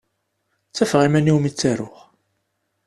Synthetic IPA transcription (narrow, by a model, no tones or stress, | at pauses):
t͡sːæfʁimæniwmit͡sːæɾʊʁ